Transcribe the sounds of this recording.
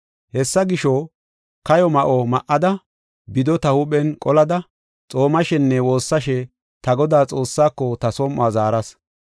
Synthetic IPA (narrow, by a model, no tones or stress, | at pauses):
hɛsːɐɡɪʃɔ | kɐjɔmɐʔɔmɐʔːɐd̪ɐ | bɪd̪ɔt̪ɐhuɓɛnkʼɔlɐd̪ɐ | t͡sʼo̞ːmɐʃɛnːɛwo̞ːsːɐʃɛ | t̪ɐɡɔd̪aːt͡sʼo̞ːsːaːkːɔt̪ɐsɔmʔːaːzaːɾɐs